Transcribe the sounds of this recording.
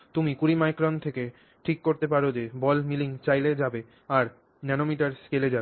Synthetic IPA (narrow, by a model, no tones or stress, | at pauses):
t̪umikuɾimajkɾɔnʈt̪ʰeke | ʈʰikːoɾt̪epaɾod͡ʑebɔlmiliŋt͡ɕajled͡ʑabe | aɾ | nɛnomiʈaɾskeled͡ʑabe